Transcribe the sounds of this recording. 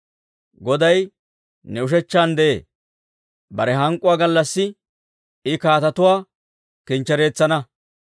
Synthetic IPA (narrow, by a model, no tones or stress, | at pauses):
ɡɔd̪ɐj | nɛʊʃ̬ɛt͡ʃːaːnd̪ɛʔḛː | bɐɾɛɦɐŋkʼːʊwaːɡɐlːɐsːɪ | ɪkaːt̪ɐt̪ʊwaː | kɪnt͡ʃːɛɾe̞ːt͡sːɐnɐ